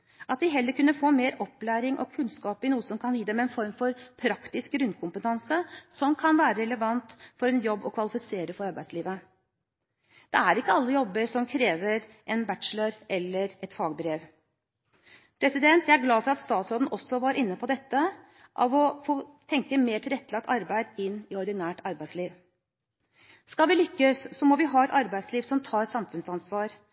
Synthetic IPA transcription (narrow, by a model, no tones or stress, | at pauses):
ʔɑt̪̚d̪ɪɦɛlːəɾkʉnːəfoːmeːɾɔpːlæːɾɪŋʔɔ̰kʰʉnskɑːpɪnuːəsɔmkʰɑnjiːd̪ɛmɛɛnfɔɾmfɔɾpʰɾɑkt̪ɪsk̚ɡɾʉnːkʰʊmpət̪ʰɑnsəsɔmkʰɑnʋæːɾəɾɛləʋɑnt̪fɔɾɛnjɔbːɔkʰʋɑlɪfɪseːɾəfɔɾɑɾbæɪd̪sliːʋə | d̪̥ɛæɾɪkːəɑlːəjɔbːəɾsɔmkʰɾeːʋəɾ | ʔɛnbæt̪ʃləɾʔɛlːəɾɛt̪fɑːɡbɾeːʋ | pʰɾɛsɪd̪ɛnt̪ʰjæɪæɾɡlɑːfɔɾɑt̪st̪ɑːt̪sɾoːd̪n̩ʔɔsːɔʋɑːɾʔɪnːəpʰɔd̪ɛt̪ːə | ʔɑ̰ʋɔfoːt̪ʰɛŋkəmeːʈʰɪlɾɛt̪ʰːəlɑkt̪ʰːɑɾbæɪd̪ɪnːɪɔɾd̪ɪnæːʈɑɾbæɪsliːʋ | skɑlʋɪlʏkːəsːɔmɔʋɪɦɑːɛt̪ɑɾbæɪsliːʋsɔmt̪ʰɑːɾsɑmfʉnsɑnsʋɑːɾ